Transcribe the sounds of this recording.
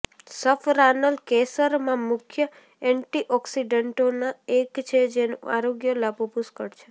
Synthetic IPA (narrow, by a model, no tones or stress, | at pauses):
səfɾanəlkesəɾmãmʊkʰjə | ɛɳʈiʔɔksiɖəɳʈonaekt͡ʃʰed͡ʒenṵa̰ɾoɡjəlapopuskəɽt͡ʃʰe